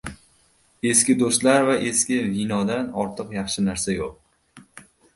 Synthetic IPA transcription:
e̞skʲɪd̪ost̪laɾvaʔe̞skʲɪvinɒd̪anɒɾt̪ʰɨqjɑχʃɪnaɾsajoq̚

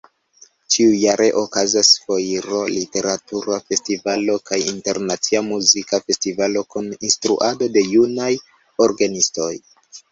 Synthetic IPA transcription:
t͡ʃiujaɾe̞ʔokazasfo̞jiɾo̞lite̞ɾatuɾafe̞stivalo̞kajinteɾnat͡siamuzikafe̞stivalo̞kuninstɾuʔado̞de̞junaj | o̞ɾɡanisto̞j

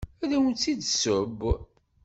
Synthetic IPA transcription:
æðæwənt͡s̪ːid̪səb

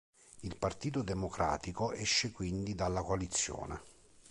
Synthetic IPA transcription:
ilpart̪iːt̪od̪emokɾa̰ːt̪ikoʔɛʃːekwind̪id̪alːakoalit̪sːjɔ̰ːnḛ

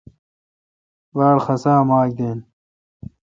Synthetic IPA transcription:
baːɾxɐsaːmaːk̚d̪eːn

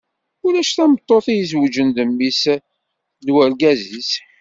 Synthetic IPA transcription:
ulæʃθæmət̪ˤːoθijəswəd͡ʒənd̪əmːis | d̪wælɡæzis

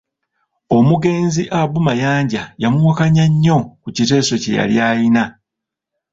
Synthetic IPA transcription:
o̞muɡe̞ːnziʔabumajaːɲɟajamuwakaɲaɲːo̞kucite̞ːso̞ce̞̰ja̰ljaːjina

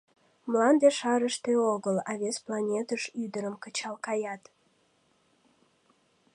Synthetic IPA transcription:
mlɑnd̪eʃɑɾəʃt̪eoɣəlɑβesplɑnʲet̪əʃyd̪əɾəmkət͡ɕɑlkɑjɑt̪

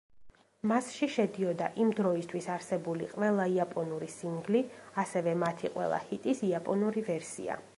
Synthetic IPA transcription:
masʃiʃɛd̪iɔd̪aʔimd̪ɾɔist̪ʰwisaɾsɛbulḭqʼvɛlˠaiapʼɔnuɾisiŋɡliasɛvɛmat̪ʰiqʼwɛ̰lˠa̰hit̪ʼisiapʼɔnuɾivɛɾsḭa̰

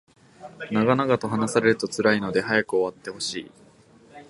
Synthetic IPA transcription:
naɡanaɡat̪o̞ɦanasaɾe̞ɾɯ̟t̪o̞t͡sɨɾaino̞d̪e̞ɦajakɯ̟o̞βat̪ːe̞ho̞ɕḭː

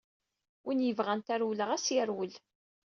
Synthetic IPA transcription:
winjəvʁænt̪æɾwləʁæsjəɾwəl

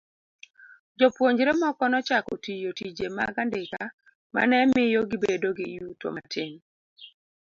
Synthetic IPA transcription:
d͡ʒɔpwoɲd͡ʒɾemɔkɔnɔt͡ʃakɔtijotid͡ʒemaɡandɪka | ma̰nɛmɪjɔɡɪbedoɡɪjuto̰matʰɪŋ

